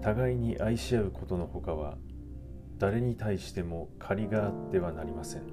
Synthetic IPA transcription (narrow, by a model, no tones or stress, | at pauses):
t̪aɡaiɲ̟iʔaiɕiaɯ̟kʰo̞t̪o̞no̞ho̞kaβ̞a̰ | d̪̥aɾe̞ɲ̟it̪aiɕi̥t̪e̞mo̞kʰaɾʲiɡaːt̪ːe̞β̞anaɾʲimasẽ̞ŋ